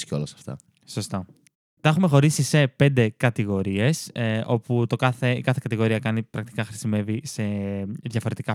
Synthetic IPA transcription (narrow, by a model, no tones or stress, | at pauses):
sceolɐsɐ̥ft̪ɐ̰ | so̞st̪ɐ | t̪exume̞xo̞ɾisise̞pe̞nd̪e̞kɐt̪iɣo̞ɾie̞sʔo̞put̪o̞kɐθe̞ikɐθe̞kɐt̪iɣo̞ɾiɐkɐnipɾɐk̚t̪i̥kɐxɾisime̞vise̞ðʝɐfo̞ɾe̞t̪ikɐ